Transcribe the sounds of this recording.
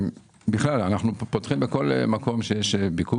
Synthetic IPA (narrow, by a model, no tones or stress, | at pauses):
biχlalanaχnupot̪χimbeko̞lmako̞mʃejeʃbiku